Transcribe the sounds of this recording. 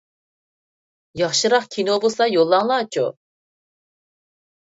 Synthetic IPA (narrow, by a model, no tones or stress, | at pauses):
jɑχʃɨɾɑχkʲʰinobusɑjolˠːɑŋlˠɑːt͡ʃʰṵ